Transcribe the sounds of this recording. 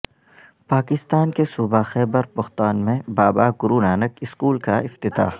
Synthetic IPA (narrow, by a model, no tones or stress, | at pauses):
paːkɪst̪aːnkesuːbaxɛːbəɾpɐxt̪aːnmẽbaːbaɡʊɾuːnaːnəkɪskuːlkaɪft̪ɪt̪a̰ː